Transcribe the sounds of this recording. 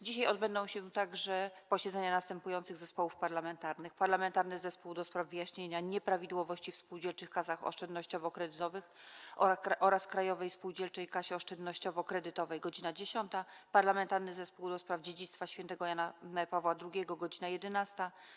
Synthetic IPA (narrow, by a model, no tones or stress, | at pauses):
d͡ʑiɕ̬ajɔd̪bɛnd̪ɔ̃w̃ɕɛt̪aɡʐɛpɔɕɛd̪zɛɲanast̪ɛmpujɔnt̪sɘɣzɛspɔwufpaɾlamɛnt̪aɾnɘxpaɾlamɛnt̪aɾnɘzɛspuwd̪ɔspɾavvɘjaɕɲeɲaɲɛpɾavʲid̪wɔvɔɕt͡ɕifspuwd͡ʑɛlt͡ʂɘxkasaxɔ̰ʂt͡ʂɛnd̪nɔɕt͡ɕɔvɔkɾɛd̪ɘt̪ɔvɘx | ʔɔɾaskɾajɔvɛjspuwd͡ʑɛlt͡ʂɛjkaɕɛɔʂtɛnd̪nɔɕt͡ɕɔvɔkɾɛd̪ɘt̪ɔvɛjɡɔd͡ʑinad͡ʑeɕɔnt̪apaɾlamɛnt̪aɾnɘzɛspuwd̪ɔspɾavd͡ʑed͡ʑit̪st̪faɕfʲjɛnt̪ɛɡɔjanapavwad̪ɾuɡʲɛɡɔɡɔd͡ʑinajɛd̪ɛnast̪a